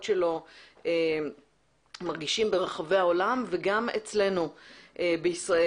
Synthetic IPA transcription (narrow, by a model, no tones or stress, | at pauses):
tʃelo̞e | maʁɡiʃimbe̞ʁaχaveao̞lamveɡamet͡sle̞nuʔebeisʁae